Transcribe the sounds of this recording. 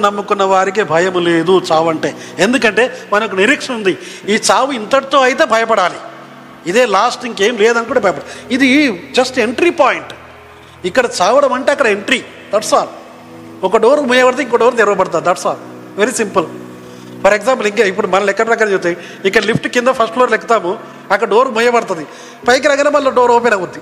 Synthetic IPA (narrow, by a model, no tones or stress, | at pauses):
nɐmːukunːɐʋaːɾik̬ibʱɐjɐmleːd̪ut͡ʃaːʋɐɳʈeːend̪ukɐɳʈe̞ːmɐnɐk̬uniɾikʂɐnund̪i | iːt͡ʃaːʋuint̪ɐʈt̪oːɐjit̪eːbʱɐjɐpɐɽaːli | id̪e̞ːlaːsʈiŋɡkeːmleːd̪ɐnkuɳʈːɐbʱɐjɐpɐɽid̪id͡ʒɐsʈe̞ɳʈɾipaːjiɳʈ | ikːɐɽɐt͡ʃaːʋɐɽɐmɐɳʈeːɐkːɐɽɐeɳʈɾi | d̪ɐʈsaːl | ɔkɐɖoːɾmujɐbɐɐt̪eiŋkoɖoːɾt̪eɾɐʋɐpɐɽɐt̪aːɾud̪ɐʈsaːl | ʋeɾisimpɐl | pʰɐɾeksaːmp̬ɐliŋkaːip̬ːuɽumɐnɐlɛkːɐɽɐkːɐɽɐd͡ʒut̪e | ikːɐɽɐlipʈkind̪ɐpʰɐsʈfʰloːɾlekːɐt̪aːmu | ɐkːɐɽɐɖoːɾmujɐbɐɽɐt̪ɐd̪i | pɐjk̬iɾɐŋɡɐneːmɐlːoːɖoːɾoːpenɐɡud̪ːi